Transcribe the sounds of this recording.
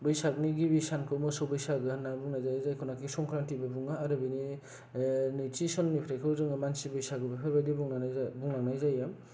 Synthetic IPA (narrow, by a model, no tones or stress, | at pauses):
bɯjsak̚niɡibisankʰɯwmɯsɔwbɯjsaɡɯnabuŋnajzajzajkʰɔnakisɔŋkʰɾantibɯbuŋaːɾɯbɯni | nɯjtisɔnːipʰɾajkʰɯzɯŋamansibɯjsaɡɯbipʰaɾbajdibuŋnanbuŋnanajzajam